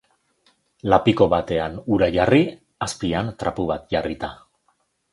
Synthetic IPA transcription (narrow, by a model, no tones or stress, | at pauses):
lapiko̞βat̪e̞anuɾaʝari | aspiant̪ɾapuβat̪ʝarit̪a